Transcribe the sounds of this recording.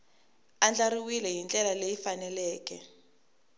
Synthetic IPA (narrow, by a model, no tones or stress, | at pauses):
and͡ɮaɾiwilɛjint͡ɬʼɛlalejifanɛlɛːkɛ